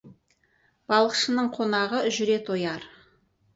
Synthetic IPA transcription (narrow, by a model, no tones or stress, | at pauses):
b̥ɑlˠəqʃənəɴqʰo̞nɑʁəʒʏɾe̞t̪ʰo̞jɑɾ